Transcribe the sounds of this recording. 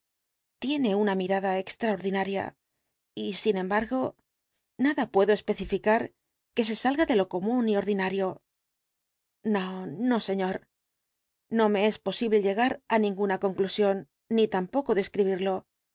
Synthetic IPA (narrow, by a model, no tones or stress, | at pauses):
t̪je̞ne̞unamiɾaðae̞kst̪ɾao̞ɾðinaɾja̰ | isinẽ̞mbaɾɣo̞ | naðapwe̞ðo̞e̞spe̞θifikaɾ | ke̞s̬e̞salɣaðe̞lo̞ko̞munio̞ɾðinaɾjo̞ | nono̞se̞ɲo̞ɾ | no̞me̞e̞spo̞siβle̞ʎe̞ɣ̞aɾanĩŋɡunako̞ŋklusjo̞nː | it̪ampo̞ko̞ðe̞skɾiβ̞iɾlo̞